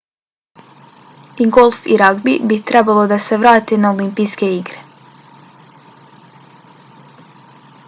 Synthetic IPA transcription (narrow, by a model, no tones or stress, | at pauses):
iɡolˠfiɾaɡbibit̪ɾebalˠo̞d̪ase̞ʋɾaːt̪inaolimpijske̞iɡɾe̥